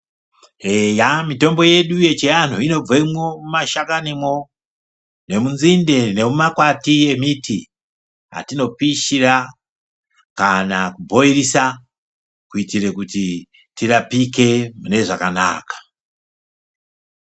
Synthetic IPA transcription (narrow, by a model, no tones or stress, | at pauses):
ejamito̞mbo̞je̞ɗuje̞t͡ʃean̤uino̞b͡voimomumaʃakanimo̞ | ne̞munzinde̞ne̞mumakwatie̞miti | a̰tino̞piʃira | kanakubʱo̞irisa | kuitire̞kuti | tirapike̞mune̞ʐakana̰ːkḁ